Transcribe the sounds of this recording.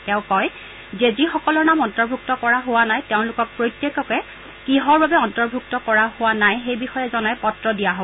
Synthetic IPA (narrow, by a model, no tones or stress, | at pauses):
tɛʊ̃kɔj | zɛzixɔkɔlɔɹnamɔntɔɹbʱuk̚tɔkɔɹaɦʊwanajtɛʊ̃lʊkɔk̚pɹojtːjekɔkɛ | kiɦɔɹbabɛɔntɔɹbʱuk̚tɔkɔɹahʊwanajɦejbixɔjɛzɔnajpɔtɹɔdijaɦo